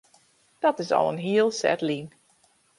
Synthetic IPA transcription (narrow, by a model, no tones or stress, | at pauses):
d̥ɔtɪsɔ̰lˠənɦiəlˠsɛ̰tlin